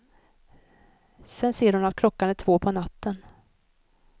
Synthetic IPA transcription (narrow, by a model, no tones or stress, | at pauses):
sɛnseːɾhʊnat̪̚kʰɾɔkːanæʈʰv̥oːpʰɔnat̪ːən